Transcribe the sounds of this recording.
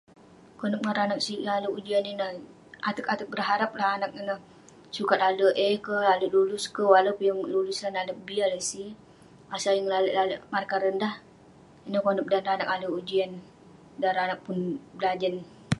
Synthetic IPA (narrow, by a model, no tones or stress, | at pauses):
kɔnəp̚ŋaɾanak̚silaləud͡ʒianinəh | at̪əkat̪ək̚bərɦaɾap̚lahanak̚inəh | sukat̪̚aləʔəkəlaləʔlulʊskəwaləpjaŋlulʊslanaləbialəsi | asajəŋlaləʔlaləʔmarkaɾəndah | inəhkonəp̚danranak̚aləud͡ʒian | daɾanak̚pʊnbəlad͡ʒən